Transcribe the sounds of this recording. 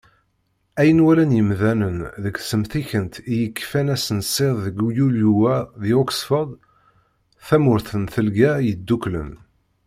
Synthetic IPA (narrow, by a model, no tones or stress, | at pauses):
æjənwælænjəmðænənðəɡsəmθiçənt̪ijəkːfænæsənsˤeððəɡjuljuæðiɔksfəd̪ˤ | θæmʊɾθənθəlɡæjəd̪ːuklə̰n